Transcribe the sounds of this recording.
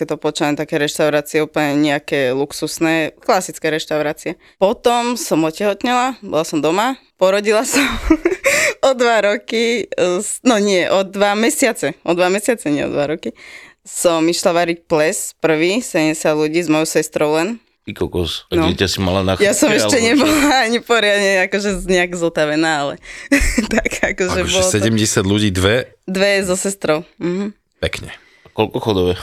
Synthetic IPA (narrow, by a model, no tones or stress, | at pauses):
kɛt̪ɔpɔt͡ʃaɛnt̪akɛːɾɛʃt̪aʊɾaːt͡siɛuːpl̩ɲɛɲɛakɛːluksusnɛːklasit͡skɛːɾɛʃt̪aʊɾaːt͡siɛ | pɔt̪ɔmsɔmɔcɛɦɔt̪ɲɛlabɔ̰lasɔmd̪ɔmapɔɾɔɟilasɔm | ɔd̪ʋaɾɔkisnɔɲɪɛʔɔd̪ʋamɛsɪat͡sɛʔɔd̪ʋamɛsɪat͡sɛɲɪɛ̰ɔ̰d̪ʋaɾɔkisɔmiʃlaʋaɾic̚plɛspr̩ʋiːsɛɟɛmɟɛsjad̪luɟiːzmɔjɔʊsɛst̪ɾɔʊlɛn | pikɔkɔsnɔɟɪɛcasimalanaxjasɔmɛʃɛɲɛbɔlaaɲipɔɾɪad̪ɲɛakɔʒɛɲɛaɡzɔt̪aʋɛnaːalɛ̰t̪akakɔʒɛɔʒɔɛlɔsɛɟɛmɟɛsɪad̪luɟiːd̪ʋɛ | d̪ʋɛzɔsɛst̪ɾɔʊm̩ɦm̩ | pɛkɲɛ | akɔlkɔxɔd̪ɔʋɛ